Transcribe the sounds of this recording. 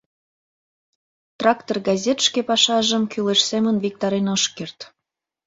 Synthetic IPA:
t̪rɑkt̪orɡɑzʲet̪ʃkepɑʃɑʒəmkyleʃsemənvik̚t̪ɑɾenoʃkert̪

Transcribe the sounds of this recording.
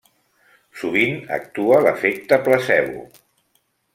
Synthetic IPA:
suβ̞inə̰k̚t̪uələfek̚t̪əpləsɛβṵ

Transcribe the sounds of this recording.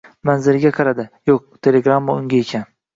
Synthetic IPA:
manzɪɾɪɡʲaqʰɑɾad̪ɪjoq̚t̪ʰe̞lʲe̞ɡɾamːaʊŋɡʲaekʲʰan

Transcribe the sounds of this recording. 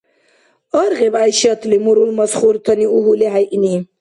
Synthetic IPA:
ɔɾɣebajʃɐt̪ʰlimuɾulmɐsχuɾt̪ʰɐniuɦuleɦajʔini

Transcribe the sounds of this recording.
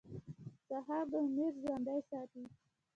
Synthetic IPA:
saɦɑɾd̪əmeɾzwand̪ajsɑt̪i

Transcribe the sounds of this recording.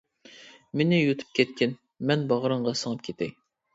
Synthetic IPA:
menɪjut̪ʰɨ̥p̚kʲɛt̪̚kʲʰɪn | mɛnbɑʁɾɨɴʁɑsəŋɨp̚kʲʰet̪ʰɪ

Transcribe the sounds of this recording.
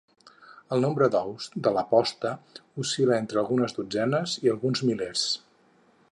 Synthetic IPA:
əlˠnombɾəd̪ɔwsd̪ələpɔst̪əusiləent̪ɾəlˠɣunəzðud͡zɛnəziəlˠɣunzmileɾs

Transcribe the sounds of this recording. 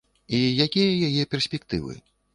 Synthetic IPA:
ijakʲijɐjajɛpʲɛrsʲpʲɛk̚t̪ɨ̰vɨ̰

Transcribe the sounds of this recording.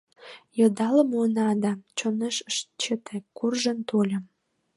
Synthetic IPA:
jɤ̆d̪ɑləmonɑd̪ɑt͡ɕoneʃəʃt͡ɕet̪ekurʒənt̪olʲə̆m

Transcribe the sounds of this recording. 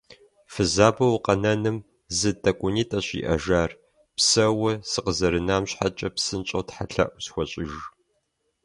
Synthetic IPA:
fɨzaːbɐwqɐnɐnɨm | zɨtʰʼɐkʷʼʊniːtʼɐɕḭʔɐ̰ʒaːr | psɐwɐsɨqəzɐɾɨnaːmɕħat͡ʃʼɐpsɨnt͡ʃʼotħaɬɐ̰ʔʷsxʷɔɕʼɪʒ

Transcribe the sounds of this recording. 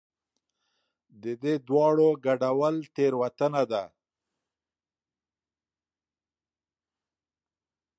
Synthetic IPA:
d̪əd̪ed̪wɑɽoɡaɖawəlt̪eɾwat̪ənad̪a

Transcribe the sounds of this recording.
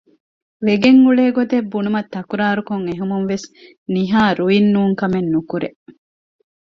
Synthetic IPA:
ʋeɡeŋːuɭeːɡod̪ebːunumɐt̪ːɐkuɾaːɾukoŋeɦumunʋes | niɦaːɾuinːuːŋkɐmenːukuɾe

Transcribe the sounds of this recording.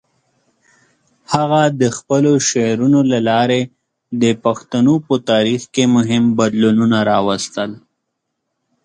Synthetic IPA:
haɣad̪əxpəloʃeɾunolalɑɾe | d̪əpaxt̪anopət̪ɑɾixkemʊɦɪmbad̪lununaɾɑwast̪əl

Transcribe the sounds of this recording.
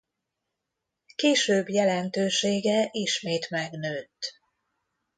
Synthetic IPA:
keːʃøːbjɛlɛnt̪øːʃeːɡɛʔiʃmeːt̪mɛɡnøːt̪

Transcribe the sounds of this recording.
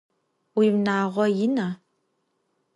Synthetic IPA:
wiːmnaːʁʷɔjɪna

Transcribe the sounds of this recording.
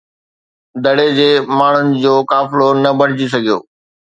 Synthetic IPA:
d̪ʱɐɽed͡ʑeːmaːɳ̤ʊnɪ̆d͡ʑoːkaːfɪlonɐbɐɽ̤ɪd͡ʑis̬ɐɡʱijo̰ː

